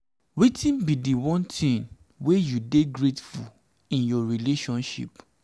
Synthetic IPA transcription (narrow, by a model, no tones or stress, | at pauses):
wetĩnbidiwɔ̃ntʰĩn | wejudeɡɹetfṵ | ĩnjɔɹileʃɔ̃nʃḭp